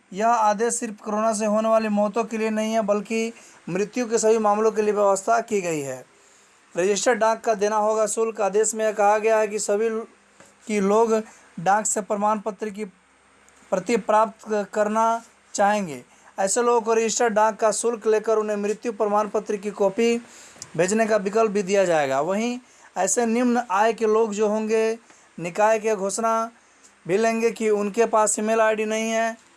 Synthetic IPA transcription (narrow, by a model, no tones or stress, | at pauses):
jɐɦaːd̪eːsːɪɾpkoɾoːnas̬eɦoːneʋaːlimɔːt̪õkelienɐɦĩɦɛbɐlki | mɾɪt̪jũkesɐbʱimaːmlõk̬elieʋjɐʋəst̪ʰakiɡɐiɦɛː | ɾɐd͡ʒɪʃʈɾəɖãːkːad̪eːnaɦoːɡasʊlkaːd̪eːʃmẽjekɐɦaɡɐjaɦɛkisɐbʱi | kiloːɡ | ɖãːksepɾɐmaːnpət̪ɾik̬i | pɾɐt̪ipɾaːpt̪kəɾna | t͡ʃaːɦẽːŋɡe | ɛːseloːɡkoɾɪd͡ʒɪʃʈəɖãːkːasʊlkleːkəɾʊnɦẽmɾɪt̪jupɾəmaːnpət̪ɾikikɔːpibʱeːd͡ʒnekabɪkəlp̚bʱid̪ijad͡ʒaːeɡa̰ʋəɦĩ | ɛːsenɪmnaːekeloːɡd͡ʒoːɦõːŋɡe | nɪkaːjekeɡʱoːsna | bʱilẽːŋɡekiʊnkepaːsɪmelaːɪɖinɐɦĩɦɛ